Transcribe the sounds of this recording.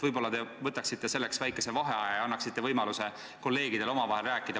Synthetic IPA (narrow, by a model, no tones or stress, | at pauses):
vɤjbo̞lːɑt̪e̞vɤt̪ːˑɑksit̪ːe̞se̞lːeksvæjkːˑe̞se̞vɑɦe̞ɑjɑjɑɑnːɑksit̪ːe̞vɤjmɑluse̞ | ko̞lːe̞ːɡid̪̥e̞lo̞mɑvɑɦelræːkːˑid̪̥ɑ